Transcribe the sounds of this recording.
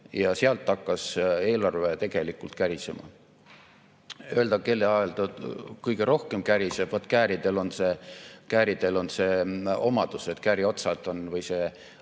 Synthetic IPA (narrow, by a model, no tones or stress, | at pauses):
jɑseɑlt̪ːɑkːɑse̞ːlɑrvet̪e̞ɡ̥e̞likːˑult̪kæɾisḛmɑ̰ | øe̞ld̪ɑke̞lːeɑelt̪okɯjɡ̥e̞ɾo̞hke̞mkæɾisevvɑt̪ːˑkæːɾid̪̥e̞lo̞nsekæːɾid̪̥elo̞nse̞o̞mɑd̪̥use̞t̪ːˑkæːɾio̞t̪sɑt̪ˑo̞nvɯjse